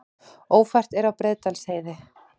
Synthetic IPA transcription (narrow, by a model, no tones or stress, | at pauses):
oːwfajr̥t̪ɛɾawpɾeːðt̪alsheːjðɪ